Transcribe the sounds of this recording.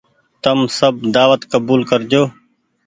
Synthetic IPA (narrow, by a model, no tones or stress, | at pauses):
t̪əmsəbd̪aːʋət̪kəbuːlkəɾd͡ʒoː